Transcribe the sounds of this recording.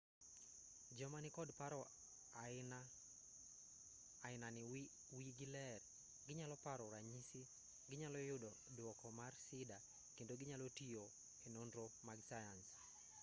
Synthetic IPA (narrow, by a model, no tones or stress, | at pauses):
d͡ʒɔmanɪkɔdpaɾɔ | n | aɪnanɪ | wiɡɪlɛr | ɡɪɲalɔpaɾɔɾaɲisi | ɡɪɲalɔjʊdɔ | dwɔkɔmarsɪda | kendoɡɪɲalotijo | enondɾomaɡsajans